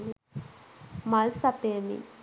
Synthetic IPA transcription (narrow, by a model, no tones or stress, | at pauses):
malsapeːmḭ